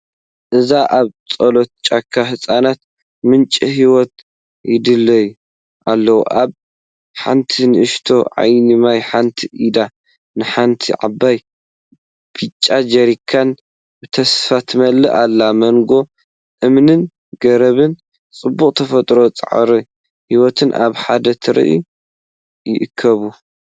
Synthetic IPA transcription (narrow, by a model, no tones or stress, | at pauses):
ʔɨzaʔaβt͡sʼolot̪̚t͡ʃʼakʰːaɦɨsʼanat̪̚ | mɨnt͡ʃʼiɦiwɔt̪̚ | jɪd̪ɨlːɐju | ʔalːɐwʔaβ | ħa̰nt̪ʰinɨʔɨʃt̪ʰo̞ʕa̰jnimajħant̪ʰiʔid̪a | nɨħant̪ʰiʕa̰bːaj | b̥ʰit͡ʃʼːad͡ʒɐɾikʰan | bɨt̪ʰɐsfat̪ʰmɐlːɨʔalːamɐŋɡo̞ | ʔɨmnɨn | ɡɐɾɐβɨn | t͡sʼɨbːuχʼt̪ʰɐfɐt̪ʼɾo̞t͡sʼɨ̰ʕ̰ɾi | hiwɔt̪ʰɨnʔa̰βħad̪ɐt̪ʰɨɾḭʔṵ | jɪʔɨkʰːɐβu